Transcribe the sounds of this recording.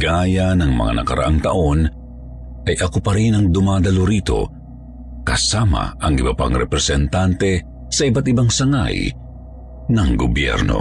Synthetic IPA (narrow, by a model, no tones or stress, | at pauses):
ɡaːjɐnɐŋmɐ̰ŋa̰nɐ̰kɐɾɐ̰ʔaŋt̪ɐ̰ʔo̞n | ʔɐjʔɐkopɐɾinɐŋd̪ʊmaːd̪ɐloɾiːt̪o̞̰ | kɐsaːma̰ʔɐŋɪbɐpa̰ŋɾɛpɾɛsɛnt̪ant̪ɛ | sɐʔibat̪ɪbaŋsɐŋa̰j | nɐŋɡobjɛ̰ɾno̞̰